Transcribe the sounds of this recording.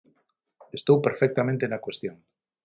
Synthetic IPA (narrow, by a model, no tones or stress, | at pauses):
est̪owpeɾfɛk̚t̪amẽnt̪enakwest̪joŋ